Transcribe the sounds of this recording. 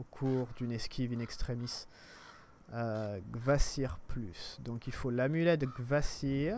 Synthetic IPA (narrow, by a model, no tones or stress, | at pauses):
okʰuʁd̪ynɛskʲʰivynɛkst̪χemis | øɡvasiʁplysd̪ɔ̃kilfolamylɛd̪əɡvasiʁ